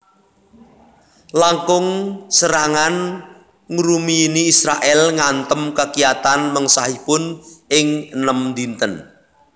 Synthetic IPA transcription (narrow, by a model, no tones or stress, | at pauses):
laŋkʊŋsəɾaŋan | ŋuɾumiːniːsɾaʔɛlŋant̪əmkakijat̪anməŋsaɦipʊnʔɪŋənəmd̪int̪ən